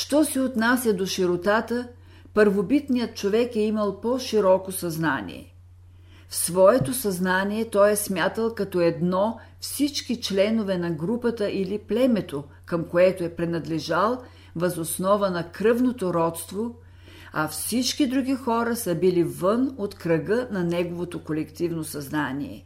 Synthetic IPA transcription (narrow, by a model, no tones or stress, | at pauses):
ʃt̪ɔsɛot̪nasʲjɐd̪oʃiɾot̪at̪ə | pəɾvobit̪nijət̪̚t͡ʃovɛkɛiməlˠpɔʃiɾɔkosɐzna̰nḭɛ̰ | fsvɔɛt̪osɐznaniɛt̪ɔjɛsmʲjat̪əlˠkɐt̪ɔɛd̪nɔ | fsit͡ʃkit͡ʃlɛnovɛnɐɡɾupət̪əʔiliplɛmɛt̪o | kɐmkoɛt̪oɛpɾɛnɐd̪lɛʒalˠ | vɐzosnɔvənɐkɾɤvnot̪oɾɔt̪st̪vo | ɐfsit͡ʃkid̪ɾuɡʲixɔɾəsɐbilivɤnot̪kɾɐɡɤnɐnɛɡovot̪okolɛkt̪ivnosɐznanḭɛ̰